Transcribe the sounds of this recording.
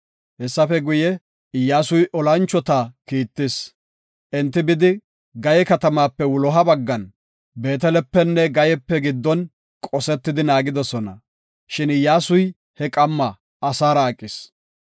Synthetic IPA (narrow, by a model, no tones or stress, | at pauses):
hɛsːɐfɛɡʊjɛ | ɪjːaːsʊjʔɔlɐnt͡ʃːɔt̪aːkiːt̪ːɪs | ʔɛnt̪ːɪbɪd̪ɪ | ɡɐjɛkɐt̪ɐmaːpːɛwʊlɔɦɐbɐɡːɐn | be̞ːt̪ɛlɛpːɛnːɛɡɐjɛpːɛɡɪd̪ːɔn | kʼɔsɛt̪ːɪd̪ɪnaːɡɪd̪ɔsɔnɐ̰ | ʃɪnɪjːaːsʊj | hɛkʼɐmːɐː | saːɾɐːkʼːɪs